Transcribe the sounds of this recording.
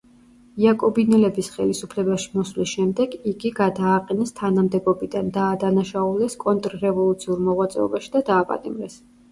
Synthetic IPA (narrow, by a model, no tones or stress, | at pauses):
iakʼɔbinɛlɛbisχɛlisupʰlɛbaʃi̥mɔslisʃɛmd̪ɛɡiɡiɡad̪aːqʼɛnɛst̪ʰanamd̪ɛbɔbid̪and̪aːd̪anaʃaulˠdɛskʼɔnt̪ʼɾːɛvɔlˠut̪sʰiuɾmɔʁwat̪sʼɛ̰ɔ̰baʃi̥d̪ad̪aːpʼa̰t̪ʼimɾɛs